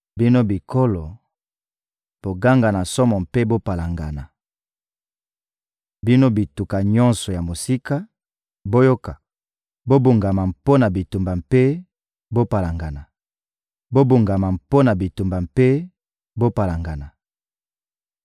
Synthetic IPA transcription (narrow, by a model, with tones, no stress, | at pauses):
bi˦no˦bi˨ko˦lo˨ | b̥o˨ɡa˦ŋɡa˨na˨sɔ˦mɔ˨mpe˦bo˦pa˨la˨ŋɡa˨na˨ | bi˦no˦bi˨tu˨ka˨ɲɔ˦nsɔ˨ja˨mo˨si˦ka˦ | bo˦jo˦ka˨ | bo˦bu˨ŋɡa˨ma˨mpo˦na˨bi˨tu˨mba˨mpe˦ | bo˦pa˨la˨ŋɡa˨na˨ | bo˦bu˨ŋɡa˨ma˨mpo˦na˨bi˨tu˨mba˨mpe˦ | bo˦pa˨la˨ŋɡa˨na˨